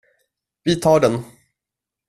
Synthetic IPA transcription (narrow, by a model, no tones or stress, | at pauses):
vɪt̪ʰɑːɖɛn